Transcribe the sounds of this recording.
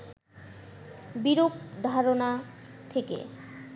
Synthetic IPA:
biɾokd̪ʱaɾonat̪ʰekḛ

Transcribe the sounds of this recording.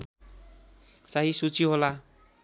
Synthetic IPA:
saɦisut͡siɦola

